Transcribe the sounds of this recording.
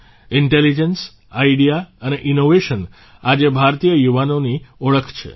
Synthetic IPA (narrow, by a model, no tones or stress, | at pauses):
ɪɳʈelid͡ʒəns | aiɖijaəneʔinoʋeʃən | ad͡ʒebʱaɾt̪ijəjuʋanoniəɭəkʰt͡ʃʰḛ